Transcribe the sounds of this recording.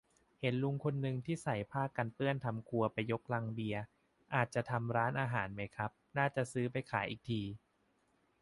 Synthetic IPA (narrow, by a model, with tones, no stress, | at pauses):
he˩˦nlu˧ŋkʰo˧nːɯ˧ŋt̪ʰiː˥˩sa˨˩˦jpʰaː˥˩kːa˧npɯ˥˩ənt̪ʰa˧mkʰu˧ɐpa˧jːo˦˥k̚la˧ŋbi˧ɐ | ʔaː˨˩t̪̚t͡ɕa˨˩t̪ʰa˧mɾaː˦˥nʔaː˧ɦaː˩˦nma˦˥jkʰɾa˦˥p̚naː˥˩t͡ɕa˨˩ʔsɯː˦˥pa˧jkʰaː˩˦jʔiː˨˩k̚t̪ʰiː˧